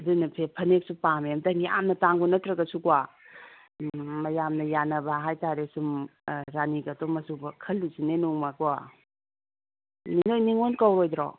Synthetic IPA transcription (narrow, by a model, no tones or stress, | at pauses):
dunɐpʰepʰɐnek̚supamemtɐŋija̰mnɐtaŋɡunɐtɾɐɡɐsukwa | mɐjamnɐjanɐbaɦajtaɾesumɾaniɡɐtomɐsubɐkʰɐlːusinenuŋmaɡua | ninojniŋonkawɾojdɾɔ̰